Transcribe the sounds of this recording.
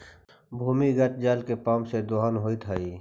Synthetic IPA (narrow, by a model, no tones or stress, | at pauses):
bʱuːmiɡət̪̚d͡ʒaːlkepaːmsed̪oɦaːnɦoːit̪ʰaiː